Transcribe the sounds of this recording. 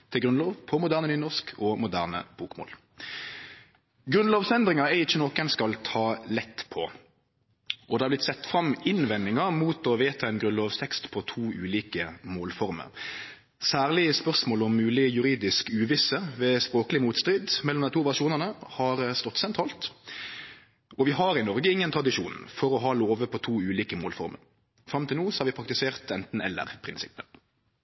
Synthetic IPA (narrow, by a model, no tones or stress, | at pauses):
t̪ʰɪlɡɾʉnloːʋpʰɔmʊd̪æːʁnənyːnɔʁʂkʰɔmʊd̪æ̰ʁnə̰b̥uːkmo̰ːl | ɡɾʉnloːʋfɛnd̪ʁɪŋɑɛɪçːənɔkɛnskɑlt̪ʰɑːlɛt̪ːpʰɔ | ʔɔd̪ɛhɑblɪt̪sɛt̪ːfʁɑmɪnʋɛnːɪŋɑmuːt̪ɔʋeːt̪ʰɑɛnɡɾʉnloːʋst̪ʰɛkst̪pʰɔt̪ʰuːʔʉːliːkəmoːlfɔʁmə̰ʁ | sæːʁlɪəspœʁsmoːlɔmːʉːlɪjʉɾiːd̪ɪskʉːʋɪsəʋɛspɾoːkəlɪmuːt̪st̪ɾɪd̪mɛlɔmd̪ɛɪt̪uːʋæʂuːnəʁnəhɑɾst̪ɔt̪ːsɛnt̪ʰʁɑːlt̪ | ɔʋɪɦɑɾɪnɔʁɡəɪŋːənt̪ʰɾɑd̪ɪʂuːnfɔɾɔɦɑːloːʋəpʰɔt̪ʰuːʉːliːkəmoːlfɔ̰ʁɾmə̰ɾ | fɾɑmt̪ʰɪlnuːsɔ̥hɑɾʋɪpʰɾɑkt̪ɪseːʁt̪ɛnt̪n̩ɛ̰lːə̰ʁpʰʁɪnsɪpːə